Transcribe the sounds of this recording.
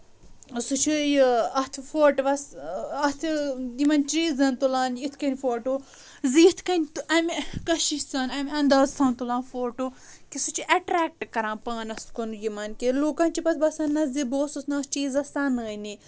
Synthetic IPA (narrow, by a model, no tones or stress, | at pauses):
sut͡ʃʰijɐt̪ʰfoːʈʋɐsɐt̪ʰd̪imɐnt͡ʃiːzɐnt̪ulãːnit̪ʰkɐnʲfoːʈoː | ziit̪ʰkɐnʲt̪ɐmkɐʃisaːnɐmʲɐ̃nd̪aːzsʰɐ̃ːnt̪ulãːnfoːʈoːkisut͡ʃʰiʔɐʈɾɛːk̚ʈkɐɾãːpaːnɐskonujimɐnkeloːkãːnt͡ʃipɐt̪ʰbɐsãːnːɐzd̪iboːsusnɐst͡ʃiːzɐsaːnəːjni